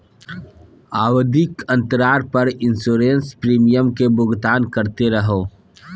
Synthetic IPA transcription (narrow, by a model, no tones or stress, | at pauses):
aːwəd̪ɪkə̃nt̪əɾaːɾpəɾɪ̃nsoːɾẽːnspɾiːmijəmkebʊɡt̪aːnkəɾt̪eɾəɦoː